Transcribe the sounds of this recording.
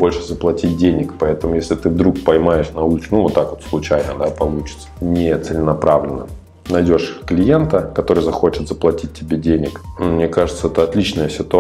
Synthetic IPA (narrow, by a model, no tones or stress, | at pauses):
bo̞lʲʂɨzəplˠɐtʲit̚ʲdʲenʲɪkpɐɛt̪əmʊjesʲlʲɪt̪ɨvd̪ɾuk̚pɐjmajɪʂnɐut͡ɕnuvot̪ːakvo̞t̪slˠʊt͡ɕæjnəd̪apɐlˠut͡ɕɪ̥t̪sə̥nʲɪt̪sɨlʲɪnɐpɾavlʲɪnə̰ | nɐjdʲo̞ʂklʲɪjent̪əkɐt̪o̞ɾɨjzɐxo̞t͡ɕɪt̪zəplˠɐtʲit̚ʲtʲːɪbʲedʲenʲɪkmnʲekaʐɨt̪səɛt̪əɐt̪lʲit͡ɕnəjəsʲɪt̪ʊ